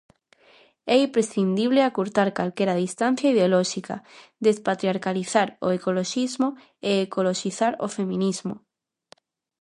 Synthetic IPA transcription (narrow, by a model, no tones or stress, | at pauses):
ɛimpɾesθind̪iβleakuɾt̪aɾkalkeɾaðist̪an̟θjaiðeolɔʃika̰d̪espat̪ɾjaɾkaliθaɾo̰ekoloʃizmo | eːkoloʃiθaɾo̰femĩnizmo̰